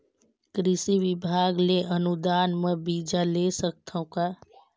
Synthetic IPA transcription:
kɾɪsiʋɪbʱaːɡleʔənud̪aːnmə̃bid͡ʒalesək̚t̪ʰaũkaː

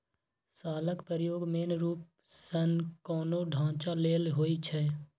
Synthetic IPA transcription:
saːləkpəɾjoːɡmeːnɾuːp̚ | sənkɔːnoɖʱãːt͡ʃaleːlɦoːit͡ʃʰɛː

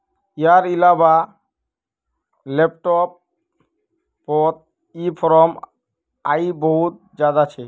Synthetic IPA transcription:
ijaɾilaba | lep̚ʈɔp̚ | ɔt̪̚ | ipʰɔɾɔm | a̰jboɦut̪̚ | d͡ʑad̪at͡ɕʰe

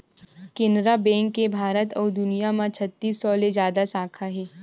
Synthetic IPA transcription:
kɪnɾabɛ̃ːŋkːebʱaːɾət̪ɔːɾd̪ʊnijamãt͡ʃʰət̪ːiːsːɔled͡ʒjaːd̪asaːkʰaɦɛː

